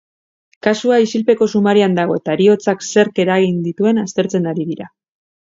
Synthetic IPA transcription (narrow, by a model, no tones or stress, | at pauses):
kasuaisilpe̞ko̞sumaɾiand̪aɣ̞o̞e̞t̪aɾio̞t͡sakse̞ɾke̞ɾaɣ̞ind̪it̪ue̞nast̪e̞ɾt͡se̞naɾiðiɾa